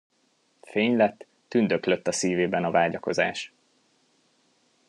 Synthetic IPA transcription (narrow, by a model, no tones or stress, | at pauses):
feːɲlɛt̪ːynd̪økløt̪ːɒsiːveːbɛnɒvaːɟɒko̞za̰ːʃ